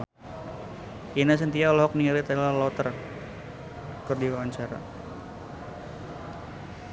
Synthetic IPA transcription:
inas̬ənt̪ialɔɦɔk̚niŋalit̪aalalɔt̪ər | kərdiwawaɲt͡ʃaɾa̰

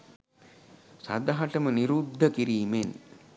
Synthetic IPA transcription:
sa̰d̪aɦɐʈəməniɾud̪ʱːəkiɾiːmen

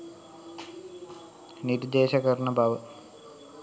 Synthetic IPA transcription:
niɾd̪eːɕɐkɐɾɳɐbʱaʋə

